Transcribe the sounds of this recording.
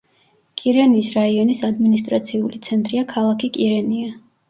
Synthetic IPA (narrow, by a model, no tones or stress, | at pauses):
kʼiɾɛniːsɾaiɔnisad̪minis̬t̪ʼɾat̪sʰiulit̪sʰɛnt̪ʼɾiakʰalˠakʰikʼiɾɛnia